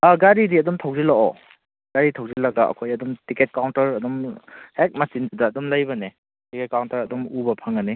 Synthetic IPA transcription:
aɡaɾidiɐdumtʰawzilaʔɔ̰ | ɡ̥aɾitʰawzilɐɡaʔɐ̰kʰojɐdumtiket̚kawntɐɾɐdumhek̚mɐsindidɐːdumlajbɐne | tiket̚kawntɐɾɐdumubɐpʰɐŋɐni

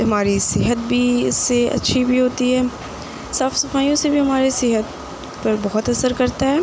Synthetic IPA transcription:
ɦɐmaːɾisɪɦət̪̚bʱiɪ̰sːeɐ̰tːʃʰibʱiɦoːt̪iɦɛː | saːfsɐfaːijõsebʱiɦɐmaːɾisɪɦət̪ | pɐɾbɔɦɔt̪ɐsəɾkɐɾt̪aɦɛː

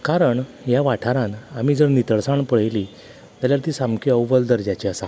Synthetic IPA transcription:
kaɾəɳ | jaʋaʈʰaɾãnam̤iːd͡zəɾnit̪əɭsaɳpəɭ̤jli | t̪aljaɾt̪iːsamkʰeəwʋəld̪əɾd͡ʑjat͡ɕeasa

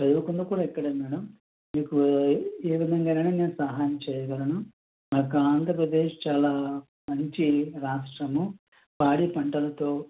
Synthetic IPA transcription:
pɐd̪uʋukund̪ɐkuːɽaːikːɐɽɐmɛːɽɐm | miːkueːʋid̪ʱɐŋɡaːnɐːneːneːnusaːɦaːjɐmt͡ʃɛːjɐɡɐɾɐnu | maːkuaːnd̪ʱɾɐpɾɐd̪eːʂt͡ʃaːlaː | mɐɲt͡ʃiɾaːʂʈɾɐmu | paːɽipɐɳʈɐlɐt̪o̞ː

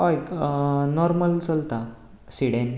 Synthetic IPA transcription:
ojknɔɾməlt͡səlt̪a | siɽen

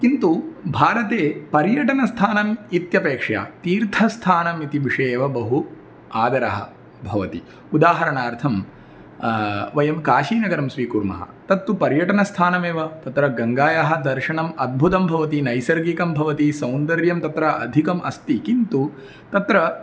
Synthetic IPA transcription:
kint̪ubʱaːɾɐt̪eːpɐɾjɐʈɐnɐst̪ʰaːnɐmit̪jɐpeːkʂɐja̰ːt̪iːɾt̪ʰɐst̪ʰaːnɐmit̪iʋiʂɐjeːʋɐbɐɦu | aːd̪ɐɾɐɦɐ̰̆ | bʱɐʋɐt̪ḭ | ud̪aːɦɐɾɐɳaːɾt̪ʰɐm | ʋɐjɐmkaːʃiːnɐɡɐɾɐmsʋiːkuɾmɐ̰ɦɐ̰t̪ɐt̪ːupɐɾjɐʈɐnɐst̪ʰaːnɐmeːʋɐt̪ɐt̪ɾɐɡɐŋɡaːjaɦɐ̆d̪ɐɾʃɐɳɐmɐd̪̚bʱut̪ɐmbʱɐʋɐt̪inɐjsɐɾɡikɐmbʱɐʋɐt̪isɐwnd̪ɐɾjɐmt̪ɐt̪ɾɐɐ̰d̪ʱikɐmʔɐst̪ikint̪u | t̪ɐt̪ɾɐ

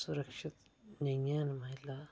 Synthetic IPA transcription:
suɾɐkʂit̪nɐŋjanmɐɦila

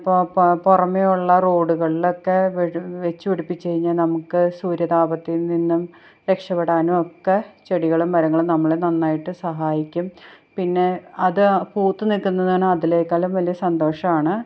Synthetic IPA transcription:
popporɐmːejuɭːɐro̞ːɽuɣɐɭilo̞kːe̞ʋʋet͡ɕːuʋiɽipːit͡ɕːe̞jiɲːɐnɐmukːɨsuːɾjɐðaːbɐt̪ːininːum | ɾe̞kʂɐpːeɽaːnumokːe̞t͡ɕeɽiɣɐɭumʋɐɾɐŋːɐɭumnɐmːɐɭenɐnːaːjiʈːɨsɐɦaːjikʲːum | pinːe̞ɐðɨpuːt̪ːɨnilkːunːɐðaɳɨɐðile̞ːkːɐlumʋɐlijɐsɐnd̪o̞ːʂɐmaːɳɨ

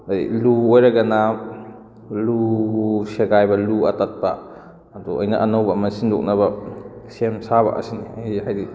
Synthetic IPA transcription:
aḭluojɾaɡana | luseɡajbaluɐtat̚baː | dɔɐjna̰ʔɐnawbamɐsindɔk̚nabasemsaβa̰ʔɐ̰sinihajdi

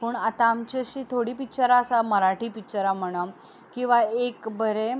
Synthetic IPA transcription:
puːɳat̪amt͡ɕiɕiːt̪ʰoɽiːpit͡ɕaɾaəsaməɾaʈiːpit͡ɕaɾam̤əɽ̃a | kĩw̃ʋaekbəɾe

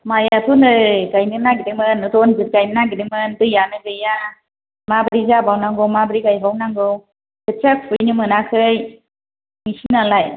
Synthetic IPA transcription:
majatʰunɯɡajnɯnaɡidimɯnɯtɔnzɯt̚ɡajnɯnaɡiɾimɯndɯjanɯɡɯja | mabəɾizabawnaŋɡɯwmabɾiɡajbawnaŋɡɯw | kɯt͡ʃak̚pʰujnɯmɯnakʰɯj | misinalaj

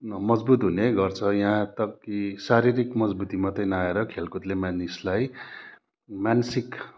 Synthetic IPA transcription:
mʌd͡zbut̪ɦuneɡʌrt͡sʰʌjaɦãt̪ʌkːisaɾiɾikmʌd͡zbut̪imat̪ʌjnaeɾʌkʰelkut̪lemanislaj | mansik

